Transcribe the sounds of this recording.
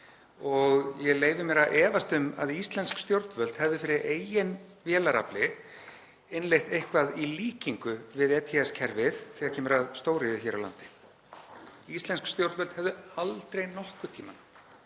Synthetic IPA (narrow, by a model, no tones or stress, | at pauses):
ɔɣjɛleːjvʏmɛɾaʔɛːvast̪ʏma̰ðist̪lɛnskst̪jowɾt̪nvœlt̪hɛvðʏfɪɾɪɾʔeːjjɪnvjɛːlaɾa̰plɪ | ɪnlejht̪ejhkvaðiliːciŋkʏvɪðɛt̪ʰiɛscʰɛɾvɪðθɛːɣacʰɛːmɾaðst̪oːwɾɪðʏçɛːɾawla̰nt̪ɪ̥ | ist̪lɛnskst̪jowɾt̪vœlt̪hɛvðʏalt̪ɾejnɔhkʏt̪ʰiːma̰n